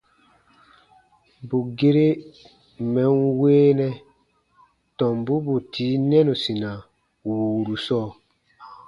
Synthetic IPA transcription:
bu˨ɡe˦ɾe˦ | mɛ̃˨˦nweː˦nɛ̃˦ | tɔ̃˨mbu˦bu˨tʰiː˨˦nɛ̃˦nũ˨sĩ˨nã˨ | wu˨ɾu˨sɔː˦˨

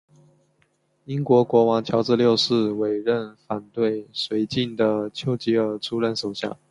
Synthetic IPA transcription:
i˥nkwɔ˧˥kwɔ˧˥wɑ˨˥˦ŋt͡ɕʰjɑ˧˥ʊʈ͡ʂɻ̩˥˧ljo˥˧ʊʂɻ̩˥˩we˨˩ɪɻə˥˩nfa˨˩nt̪we˥˩ɪswe˧˥ɪt͡ɕi˥˩nd̪ə˩t͡ɕʰjo˥ʊt͡ɕi˧˥ə˞˧˥ʈ͡ʂʰu˥ɻə˥˧nʂo˨˩ʊɕja̰˥˩ŋ

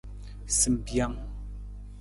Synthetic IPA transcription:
sɨ˨m̩˨bja˦˨ŋ

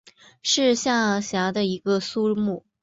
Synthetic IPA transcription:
ʂɻ̩˥˧ɕja˥˩ɕja˧˥d̪ə˧i˧˥ɡ̥ə˧su˥mu˥˩

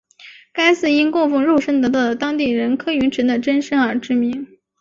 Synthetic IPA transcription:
ka˥ɪsɹ̩˥˩i˥nkʊ˥˧ŋfu˥˧ŋɻu˥˩ʂə˥nt̪ɤ˧˥t̪ɑ˥˩ʊd̪ə˩t̪ɑ˥ŋt̪i˥˩ɻə˧˥nkʰɤ˥y˧˥nʈ͡ʂʰə˧˥nd̪ə˧˨ʈ͡ʂə˥nʂə˥nə˞˧˥ʈ͡ʂɻ̩˥mi˧˥ŋ

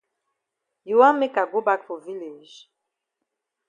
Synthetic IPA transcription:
ju˨wa˦me˦ka˨ɡo˦ba˦kfo˨vi˦le˨ʒ

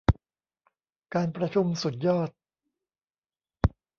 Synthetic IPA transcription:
kaː˧npɾa˧t͡ɕʰu˧msu˨˩t̪̚jɔː˥˩t̪̚

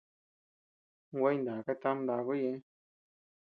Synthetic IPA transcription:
ŋ̩˦ɡwɛ˦jn̩˨da˨ka˦ta˦mn˦da˧˨kɔ˦jɛ˦

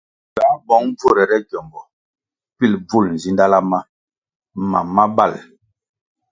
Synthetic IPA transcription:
ɡa˨˦bɔ˨˦ŋb͡vo˦˨ɾɛ˨ɾɛ˦ɟɔ˨mbɔ˨ | pi˦lb͡vu˦˨ln̩˨zi˦nda˦la˦ma˦ | ma̰˨mːa˦ba̰˦˨l

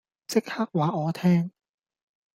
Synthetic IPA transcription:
t͡se˦˥k̚ha˦˥k̚waː˨˥ʔɔː˨˧˦t̪ʰɛː˧˥ŋ

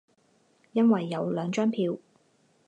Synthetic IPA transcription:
jɐ˥nwɐ˨jːɐ˨˧wlœː˨˧ŋt͡ʃœː˥ŋpʰiː˧w

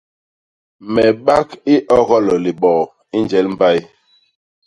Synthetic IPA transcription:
mɛ˨ɓa˦ki˦ʔɔ˦ɣɔ˦lɔ˨li˨ɓɔ˨ | i˦nd͡ʒɛ˦lm̩˦ba˦j

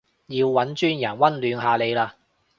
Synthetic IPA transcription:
jiː˨˧wwɐ˨˥nt͡ʃyː˥njɐ˨˩nwɐ˥nlyː˨˧nɦaː˧le˨˧jlaː˧

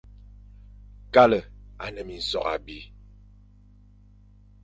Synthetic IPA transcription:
ka˦lə˨a̰˨nə˨mi˨n̩˨sɔ̰˨ka̰˨bi˦

